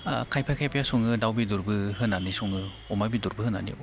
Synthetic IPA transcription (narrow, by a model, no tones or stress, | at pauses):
kʰajpʰajkʰajpʰajasuŋɯdawbiduɾbɯɦɯnanisuŋɯ | ɔmajbiduɾbɯhɯnːa̰nḭ